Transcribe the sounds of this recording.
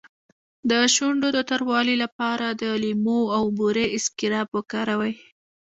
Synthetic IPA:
d̪əʃuɳɖod̪ət̪aɾwɑlilapɑɾad̪əlimoawbuɾeɪskɪɾɑbwəkɑɾawaj

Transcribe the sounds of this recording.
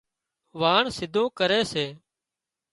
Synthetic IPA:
ʋaːɳsɪd̪ʱõːkəɾeːseː

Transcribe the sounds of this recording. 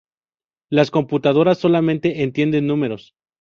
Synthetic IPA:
lasko̞mput̪að̞o̞ɾasːo̞lamẽ̞nt̪e̞ʔent̪je̞nd̪e̞nːũme̞ɾo̞s

